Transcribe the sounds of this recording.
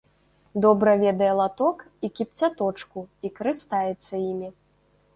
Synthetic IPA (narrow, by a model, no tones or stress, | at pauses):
d̪ɔbɾɐvʲɛd̪ɐjɛlˠat̪ɔk | ikʲipt͡sʲat̪ɔt͡ʂkuikɐɾɨst̪ajɛt̪sːɐjimʲi